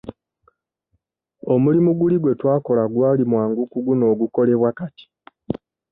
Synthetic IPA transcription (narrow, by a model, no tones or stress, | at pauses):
o̞mulimuɡuliɡwe̞twaːko̞laɡwaːlimwaːŋɡukuɡuno̞ːɡuko̞le̞βwakati̥